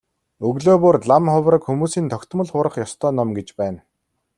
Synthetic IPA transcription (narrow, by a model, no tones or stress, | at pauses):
ɵɣɮoːpoːrɮamχʊwɾə̆kxumuːsiːnt̪ʰɔkʲt̪̆mə̆ɮχʊːɾə̆χjɔst̪ʰœːnɔmɡet͡ɕpæːn